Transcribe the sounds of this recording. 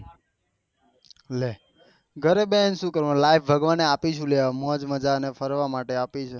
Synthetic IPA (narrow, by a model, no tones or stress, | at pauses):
le | ɡʱəɾebenʃũkəɾʋãlaifʰbʱəɡʋaneapit͡ʃʰũleʋamɔ̃d͡ʒməd͡ʒanefəɾʋamaʈeapit͡ʃʰe